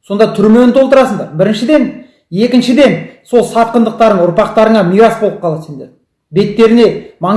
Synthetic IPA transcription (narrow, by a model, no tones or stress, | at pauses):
so̞nd̪ɑt̪ʰʏɾme̞nɪt̪ʰolˠt̪əɾɑsəɴd̪ɑɾbɪɾɪnʃɪd̪e̞n | e̞kʲɪnʃɪd̪e̞nso̞lˠsɑt̪̚qənd̪əq̚t̪ɑɾəɴʊɾpɑq̚t̪ɑɾəɴɑmijɾɑsbo̞lˠəp̚qʰɑlˠɑt̪send̪e | be̞t̪ːe̞ɾɪne̞mɑ